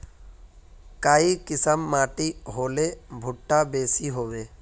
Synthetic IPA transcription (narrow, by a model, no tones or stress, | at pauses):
kaːikɪsəmːaːʈiɦoːlebʱʊʈːabeːsiɦoːʋeː